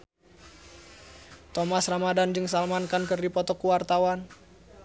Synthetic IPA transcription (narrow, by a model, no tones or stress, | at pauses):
t̪omasramadand͡ʒɨŋsalmankankɨrdipɔt̪ɔkuwart̪awan